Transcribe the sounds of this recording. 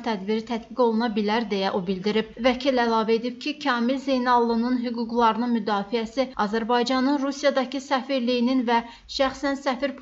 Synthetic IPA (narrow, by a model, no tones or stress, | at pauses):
t̪ʰæd̪biɾit̪ʰæt̪biɡo̞lˠunɑbilæɾd̪e̞jæʔobild̪iɾib̥̚væcʰilælˠɑːvæe̞d̪ib̥̚cʰicʰɑːmilzejnɑlˠːɯnɯnɦyɡuɡlˠɑɾɯnɯnmyd̪ɑːfijæsiɑzæɾbɑjd͡ʒɑnɯnɾusijɑd̪ɑcʰisæfiɾlijininvæ | ʃæxsænsæfiɾpʰ